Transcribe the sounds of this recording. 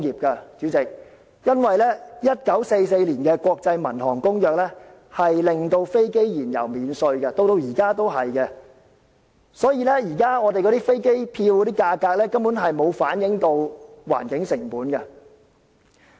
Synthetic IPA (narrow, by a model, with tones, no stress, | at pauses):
jiː˨p̚kɐ˧t͡sy˨˥t͡sɪ˨k̚ | jɐ˥nwɐ˨jlɛː˥jɐ˥t̚kɐ˨˥wse˧js̬e˧jliː˨˩nkɛː˧kwɔː˧k̚t͡sɐ˧jmɐ̰˨˩nhɔː˨˩ŋkʊ˥ŋjœː˨k̚lɛː˥ | hɐ˨jlɪ˨ŋt̪o˧wfe˥jke˥jjiː˨˩njɐ̰˨˩wmiː˨˧nsɵ˧ɥɡɐ˧t̪o˧wt̪o˧wjiː˨˩kaː˥t̪o˥wɦɐ˨jkɛ˧ | sɔː˨˥jiː˨˧lɛ˥jiː˨˩kaː˥ŋɔː˨˧t̪e˨jkɔ˨˧t̪iː˥fe˥jke˥jpʰiː˧wkɔ˨˧t̪iː˥kaː˧kaː˧k̚lɛː˥kɐ˥mpuː˨˥nɦɐ˨jmo˨˧wfaː˨˥njɪ˨˥ŋt̪o˧wwa̰ː˨˩nkɪ˨˥ŋsɪ˨˩ŋpuː˨˥nkɐ˧